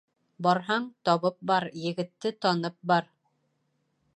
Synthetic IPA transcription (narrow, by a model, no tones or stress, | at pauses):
bɒɾɦɑɴt̪ɒβɤp̚bɑɾjɘ̆ɡɘ̆t̪ːɘt̪ɒnɤp̚bɑɾ